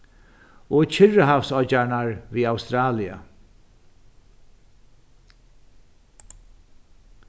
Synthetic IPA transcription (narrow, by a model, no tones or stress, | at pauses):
ɔːt͡ɕʰɪɹəɦawfsɔt͡ʃaɹɳaɹviːawst̪ɾaːlia̰